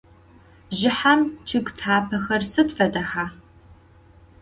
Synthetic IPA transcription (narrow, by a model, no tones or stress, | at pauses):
ʒɪħamt͡ʃʰɪɡtʰaːpʰɐxɐrsɨdfɐdɐħaː